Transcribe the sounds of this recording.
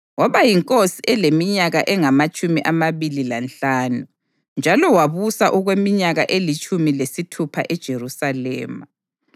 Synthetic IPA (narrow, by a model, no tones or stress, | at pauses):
waβajiŋkʼosiʔɛlemiɲaɣaʔɛŋamat͡ʃʼumiʔamaβililanɬaːnu | nd͡ʒʱalɔwaβusaʔuɣwemiɲaɣaʔelit͡ʃʼumilesitʰupʰaʔɛd̥ʒ̥ʱerusalɛ̰ːma